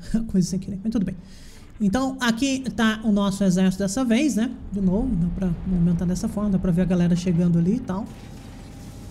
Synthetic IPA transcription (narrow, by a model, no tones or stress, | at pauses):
kojzɐsĩkɪlẽkfẽt̪ud̪ʊbẽj̃ | ẽnt̪ɐ̃w̃akit̪aʊnɔsʊezɛɾsʊd̪ɛsɐvejsnɛd͡ʒɪnovʊd̪apɾɐmovimẽnt̪aɾd̪ɛsɐfɔɾmɐd̪apɾɐveɾɐɡalɛɾɐʃeɡɐ̃nd̪ʊalit̪aw